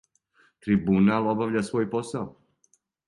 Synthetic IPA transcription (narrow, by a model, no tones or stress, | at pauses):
t̪ɾibunalˠo̞baʋʎʲasʋo̞ːjpo̞sao